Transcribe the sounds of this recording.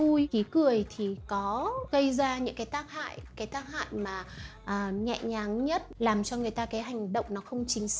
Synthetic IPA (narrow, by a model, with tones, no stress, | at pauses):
u˧jki˨˦kɨ˨˩əjt̪ʰi˨˩kɔ˨˦ɣə˧jzaː˧ɲɨ̰˧˥ŋkaː˨˦jt̪aː˦˥k̚ha̰ː˧˨jkaː˨˦jt̪aː˦˥k̚ha̰ː˧˨jmaː˨˩ʔəː˨˩ɲɛ̰˧˨ɲaː˨˦ŋɲə˦˥t̚laː˨˩mt͡ɕɔ˧ŋɨ˨˩əjt̪aː˧kaː˨˦jɦa˨˩jŋ̟ɗə̰˧˨wŋ͡mnɔ˨˦xə˧wŋ͡mt͡ɕï˨˦ŋ̟s